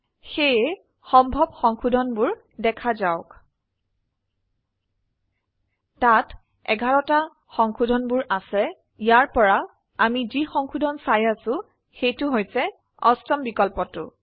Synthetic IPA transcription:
xejɛ | xɔmbʱɔbxɔŋxudʱɔnbʊɹ | dɛkʰazaʊk | tat | ɛ̰ɡʱaɹɔta | xɔŋxudʱɔnbʊɹʔasɛ | ijaɹpɔɹa | amizixɔŋxudʱɔnsajasʊ̃ | xejtʊɦojsɛ | ɔstɔmbikɔlpɔtʊ̰

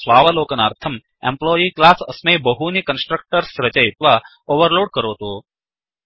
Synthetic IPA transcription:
sʋaːʋəloːkənaːɾt̪ʰəm | ḛmploiklasə̰smejbəɦunikənsʈɾək̚ʈəɾsɾət͡ʃajit̪ʋa | oːʋəɾloːɽkəɾoːt̪o

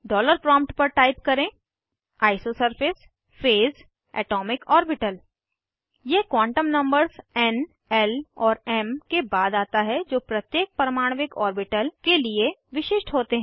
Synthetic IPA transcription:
ɖɔːləɾpɾɔ̃ːmp̚ʈpɐɾʈaːɪpkɐɾẽː | aːɪsosəɾfʰɪs | feːz | ɛ̰ːʈɔːmɪkɔːɾbɪʈəl | jekwãːɳʈəmnɐ̃mbəɾzɛn | ɛlɔːɾɛmkebaːd̪aːt̪aɦɛd͡ʒoːpɾɐt̪jeːk̚pɾɐmaːɽ̃ʋɪkɔːɾbɪʈəlkelieʋɪʃɪʃʈɦoːt̪eɦɛ̃

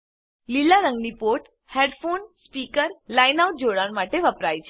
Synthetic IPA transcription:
lilaɾə̃ŋɡnipoʈ | heɖfonspikəɾlajnauʈ̚d͡ʒoɽanmaʈeʋəpɾajt͡ʃʰe

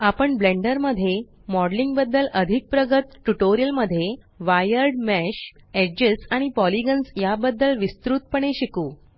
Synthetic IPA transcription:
apəɳbleɳɖəɾməd̪ʱːje | mɔɽliŋɡbəd̪ːələd̪ʱik̚pɾəɡət̪ʈuʈoɾijəlməd̪ʱːje | ʋajəɾɖmæɕed͡ʑəsaɽ̃ipɔliɡənsjabəd̪ːəlʋist̪ɾuːt̪̚pəɳ̃eɕikuː

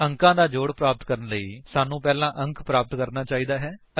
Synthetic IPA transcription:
əŋkãːd̪aːd͡ʒoːɽpɾaːpət̪kəɾənləiːsaːnũːpɛːlãːʔə̃ŋkpɾaːpət̪kəɾnaːt͡ʃaːiːd̪aːɦɛː | ə

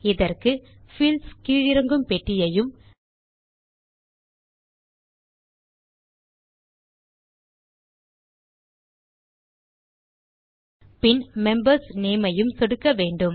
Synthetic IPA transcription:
ɪðɐrkɯ | fɪlskiːɻɪɾɐŋɡɯmpɛʈːɪjɐjɯm | pɪnmɛmbɐɾsneːmɐjɯmsɔɽɯkːɐʋeːɳɖɯm

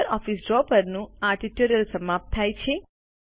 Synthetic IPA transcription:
ɾɔfisɖɾɔpəɾnũaɾʈiʈjuɾijəlsəmap̚t̪ʰːajt͡ʃʰe

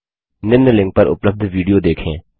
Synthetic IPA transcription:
nɪnnːlɪ̃ŋɡ̚pɐɾʔʊ̰pləb̚d̪ʱʋiːɖijoːd̪eːkʰḛ̃ː

